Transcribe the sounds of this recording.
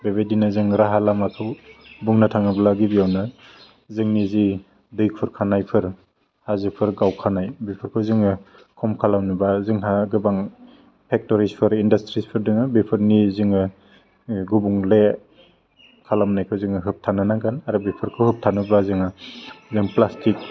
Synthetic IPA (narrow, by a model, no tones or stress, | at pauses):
beβedinazɯŋɾaɦalamakʰɯwbuŋnatʰaŋɯblaɡibiawnɯ | zɯŋnizi | dɯjk̚pʰɯɾkʰanajpʰɯɾ | hazɯpʰɯɾɡawkʰanajbipʰɯɾkʰɯwzɯŋɯ | kʰɔmkʰalamnɯbazɯŋɦaɡɯbaŋ | pʰek̚tɔɾispʰɯɾindastɾispʰɯɾdɯŋɯbipʰɯɾnizɯŋɯ | ɡubuŋle | kʰalamnajkʰɯwzɯŋɯɦɯp̚tʰanɯnaɡanaɾɯbipʰɯɾkʰɯwhɯp̚tʰanɯbazɯŋɯzɯŋplastik̚